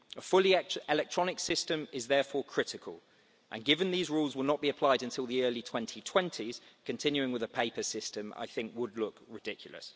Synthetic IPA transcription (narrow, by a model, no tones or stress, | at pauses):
əfʊliɛlɛk̚tʰɹ̥ɒnɪksɪstə̃mɪzðɛːfɔːkʰɹ̥ɪtɪkʰə̰lˠ | ʔə̰̃nɡɪvə̃nðiːzɹuːlˠzwəlˠnəʔb̥iəpʰl̥aɪdə̃ntʰɪlˠðiɜːlitʰw̥ɛ̃ntʰitʰw̥ɛ̃ntʰiz̥kʰə̃ntʰɪ̃njʉɪ̃ŋwɪðəpʰeɪpəsɪstə̃ma̰ɪθɪ̃ŋkwədˡlʊkɹɪdɪkʰjlˠə̰s